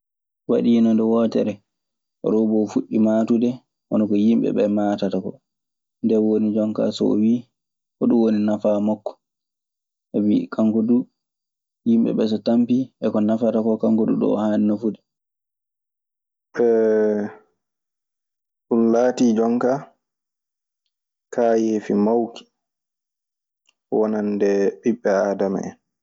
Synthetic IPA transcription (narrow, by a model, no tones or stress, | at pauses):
waɗiːnɔndɛwɔːtɛ̰ɾɛ | ʔɔ̰ɾɔbɔfuɗːimaːtudɛ | ʔɔnɔkɔjimɓɛ̰ɓɛmaːtatakɔ | ndɛwonid͡ʒɔŋka̰sɔ̰wiː | hɔɗuwoninafamɔkːɔ̥ | ʔɛwikʰaŋkodu | jimɓɛ̰ɓɛs̬ɔtampiʔɛkɔnafatakɔkaŋkudṵɗɔ̰ːhaninafuɗi | ɓɛ | ɗunlaːtid͡ʒɔŋka | kaːjeːfimawki̥ | wɔnandɛɓiɓːɛaːdama̰ɛ̰n